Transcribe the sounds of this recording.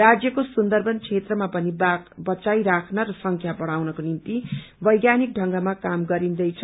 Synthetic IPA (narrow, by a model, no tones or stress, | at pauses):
rad͡zjʌkosund̪ʌrbʱʌnt͡sʰet̪rʌmapʌnibʌt͡sajɾakʰnʌɾʌsʌŋkʰjabʌɽ̃awnʌkonint̪i | bʌjɡjanik̚ɖʱʌŋɡamakamɡʌɾind̪ʌjt͡sʰʌ